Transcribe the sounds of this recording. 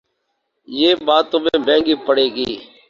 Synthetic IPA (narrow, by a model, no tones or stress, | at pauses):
jeːɓaːt̪õːmẽːbẽːŋɡiːpəɽeːɡiː